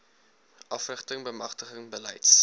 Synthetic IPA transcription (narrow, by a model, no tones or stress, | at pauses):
ʔɐfrəχtəŋbəmɐχtəχəŋbəlɛjts